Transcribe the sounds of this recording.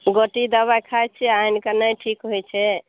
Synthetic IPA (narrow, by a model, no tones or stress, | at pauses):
ɡoʈid̪əβajkʰajt͡ʃʰɛainkənəjʈʰikɦojt͡ʃʰɛ